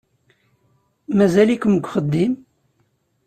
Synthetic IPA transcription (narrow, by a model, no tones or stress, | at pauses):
mæzælikʷəmɡʷχəd̪ːim